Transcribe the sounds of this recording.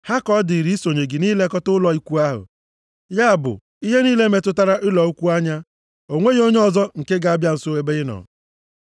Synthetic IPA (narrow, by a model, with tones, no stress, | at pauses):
ha˦kɔ˦dɪ˨ɾi˦so˨ɲe˨ɡɪ˨niː˦le˦kɔ˦tʊ˦lɔ˨i˦kʷu˦a˦ɦʊ̰˨ | ja˦a˨bʊ̰˨ | i˦ɦe˦niː˦le˦me˨tʊ˦ta˦ɾa˦ʔɪ˦lɔ˨u˦kʷu˦a˦ɲa˦ | o˨ŋʷe˦ɣo˦ɲe˦ɔ˨zɔ˦ŋ̩˨ke˦ɡa˨a˦bja˦n̩˨so˦e˦be˦ɪ˦nɔ̰˨